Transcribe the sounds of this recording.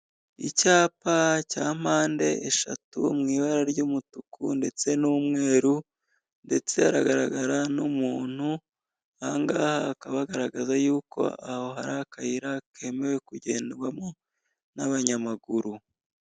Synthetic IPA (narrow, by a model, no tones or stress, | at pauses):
ḭcaːpacaːm̥aːnde̞ʔeʃa̰tṵmŋiːβaɾaɾɟumutukʰṵnde̞t͡se̞nuːmŋe̞ːɾu | nde̞t͡se̞aɾaɡaɾaɡaɾanumuːn̥hu | aŋɡaːhaːkaβaɡaɾaɡazajuːko̞̰aho̞ɦa̰ɾakajiɾakʰe̞mewe̞kuɟe̞ːndɡwamo | naβaɲamaɡuɾu